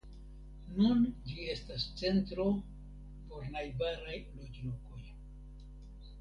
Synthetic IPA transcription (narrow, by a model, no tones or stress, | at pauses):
nund͡ʒie̞stast͡se̞ntɾo̞ | po̞ɾnajbaɾajlo̞d͡ʒloko̞j